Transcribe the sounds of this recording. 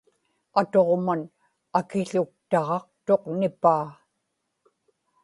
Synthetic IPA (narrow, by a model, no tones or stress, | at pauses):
at̪o̞ʁman | akɪɬʊk̚t̪ɑʁɑqt̪o̞qnɪpaː